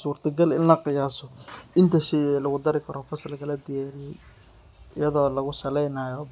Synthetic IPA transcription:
suːrt̪ʰɐɡɐlɪnlɐqɪjaːsɔɪnt̪ʰɐʃɛjɛːlɐɣʊd̪ɐɾɪkʰɐɾɔfɐslɐkɐlɐd̪ɪjaːɾɪjɛj | ɪ̰jɐðɔːlɐɣʊsɐlɛjnajɔ

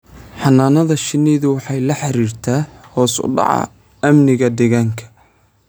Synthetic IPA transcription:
ħɑnaːnɐðɐʃɪnɛːðʊwɑħɑjlɐħɑɾiːrt̪ʰaːhɔːsʊ̰ɖɑ̰ʕɑ̰ | ɐmnɪɣɐd̪ɛɣaːŋkʰɐ̥

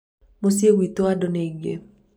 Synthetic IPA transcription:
mos̬iewit̪oadɔneɡḛ

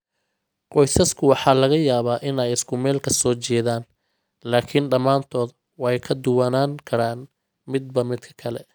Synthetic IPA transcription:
qɔjsɐskʰʊwɑħɑːlɐɣɐjaːβaːʔɪnɛjɪskʰʊmɛːlkʰɐsɔːt͡ʃɛːðaːn | laːkʰɪnɖɐmaːnt̪ʰɔːð | wɑjkʰɐd̪ʊwɐnaːŋkʰɐɾaːn | mɪd̪̚bɐmɪd̪kʰɐ̥kʰɐlɛ

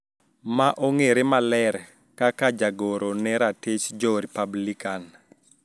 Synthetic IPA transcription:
maʔoŋeɾemalɛɾ | kakad͡ʒaɡoɾonɛɾatet͡ʃd͡ʒɔɾipablikan

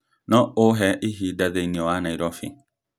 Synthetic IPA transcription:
nɔʔoɦɛʔiɦidaðeiniɔanaiɾɔfɪ̰

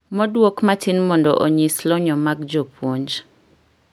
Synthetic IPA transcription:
mɔdwokmatinmɔndɔʔoɲislɔɲɔmaɡd͡ʒopwoɲd͡ʒ

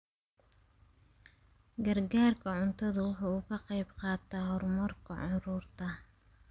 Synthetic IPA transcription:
ɡɐrɡaːrkʰɐʕʊnt̪ʰɐðɐwʊħuːkʰɐqɑjbqɑːt̪ʰɐɦɔrmɐrkʰɐʕɑɾuːrt̪ʰɐ

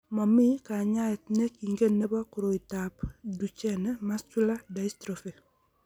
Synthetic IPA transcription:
mamikaɲaetnekiŋɡenːebakuɾoitapdut͡ʃenemast͡ʃuladaistɾofe

